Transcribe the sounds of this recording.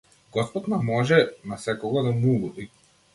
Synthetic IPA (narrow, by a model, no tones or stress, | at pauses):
ɡɔspɔt̪namɔʒɛnasɛkɔɡad̪amulɔvi